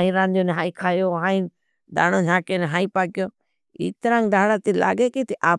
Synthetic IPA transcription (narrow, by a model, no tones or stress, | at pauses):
ĩːɾãːnd̪oːnɦaːiːkʰaːjoːɦãːĩː | d̪a̰ːɽõːd͡ʒʱãːkeːneɦaːĩːpaːkɪjoː | ḭːt̪əɾãːŋd̪ʱaːɽaːt̪iːla̰ːɡeːkit̪iʔaː